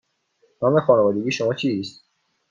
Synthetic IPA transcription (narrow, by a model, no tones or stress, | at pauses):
nɒːmexɒːnevɒːd̪eɡʲiːʃomɒːt͡ʃʰist̪